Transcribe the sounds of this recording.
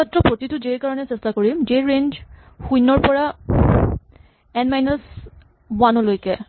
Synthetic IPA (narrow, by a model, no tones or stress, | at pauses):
atːɹɔpɹotitʊzejkaɹɔnɛsɛstakoɹimzeɹend͡ʒ | xujnːɔɹpɔɹa | ɛnmajnas | wanɔlojkɛ